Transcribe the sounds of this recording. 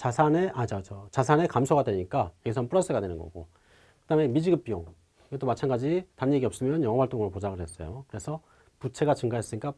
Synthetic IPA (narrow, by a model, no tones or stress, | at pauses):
t͡ɕasʰaneʔat͡ɕʌt͡ɕʌt͡ɕas̬ʰane̞kamsʰoɡadwe̞ɲik͈ajʌɡisʰʌnpuɾʌs͈ʰɯɡadwe̞nɯnɡʌ̰ɡo̰ | kɯd̥aɦme̞mid͡ʑiɡɯp͈ijoŋ | ɯɡet͈omat͡ɕʰaŋɡad͡ʑitanːeɡiʌp̚s͈ɯmjʌnjʌŋʌɦwaɭt͈oŋɯɾopod͡ʑaɡɯɭɦe̞s͈ʌjo̰kɯɾe̞sʰʌ | put͡ɕʰe̞ɡat͡ɕɯŋɡaɦes͈ɯɲik͈a